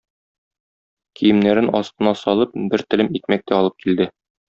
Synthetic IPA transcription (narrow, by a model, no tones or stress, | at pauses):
kʰijɘ̆mnæɾɘnɒ̰st̪ɤ̆nɑsɒlˠɤp̚bɘɾt̪ɘ̆lɘmit̪̚mæk̚t̪æɒlˠɤp̚kild̪ɘ